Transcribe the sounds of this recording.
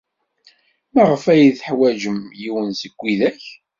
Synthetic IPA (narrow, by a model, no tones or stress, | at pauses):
mæʁəfæjiθəħwæʒəmjiwənsəɡʷːiðæç